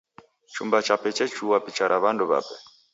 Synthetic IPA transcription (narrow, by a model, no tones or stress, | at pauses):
t͡ʃumbat͡ʃapɛt͡ʃɛt͡ʃuwapit͡ʃaɾʔaβanduβa̰pɛ